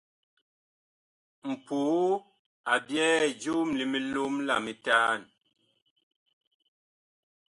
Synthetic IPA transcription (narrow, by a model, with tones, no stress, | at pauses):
m̩˨puː˨˦ | a˨bjɛː˦˨d͡ʒu˦mle˨me˨lo˦mla̰˨me˨taː˦˨n